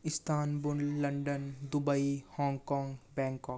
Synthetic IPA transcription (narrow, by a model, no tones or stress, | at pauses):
ɪst̪ʰaːnbʊnlɐɳɖənd̪ʊbəihɔ̃ːŋɡkɔ̃ːŋɡbɛ̃ːŋkɔːk